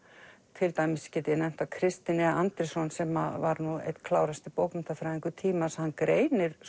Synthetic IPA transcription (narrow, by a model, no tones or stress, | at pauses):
t̪ʰɪlt̪aːjmɪsːcɛːt̪ɪnɛm̥t̪akʰɾɪst̪ɪnɛant̪ɾɪsɔnsɛmavaɾnuḛjt̪kʰlaːwɾast̪ɪpowpmɛnt̪afɾajɪŋkʏt̪ʰiːmashankɾeːjnɪɾ̥